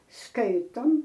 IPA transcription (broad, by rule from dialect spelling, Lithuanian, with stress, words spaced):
ˈskɐɪtoːm